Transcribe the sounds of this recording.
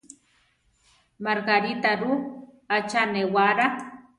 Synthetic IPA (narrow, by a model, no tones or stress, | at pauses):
maɾɣaɾit̪aɾu | at͡ʃanewaɾa